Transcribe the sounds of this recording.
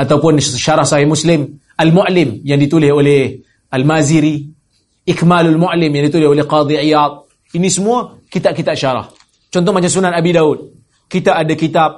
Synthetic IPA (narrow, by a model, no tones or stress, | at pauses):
ʔat̪akuanːiʃʃɑɾˤɑhsˤɑħihmuslim | ʔalmʊʔlimjandit̪ulheole | almaziɾi | ʔikmaːlalmʊʔlimjandit̪ulheʔoleqɑːd̪ˤiʕɪjɑːd̪̚ˤ | ʔinːismua | kit̪aːʔkit̪aʔʃɑɾˤɑ̰h | t͡ʃont̪omat͡ʃasunːanʔabidawuːd̪̚ | kit̪aʔadakit̪ab̚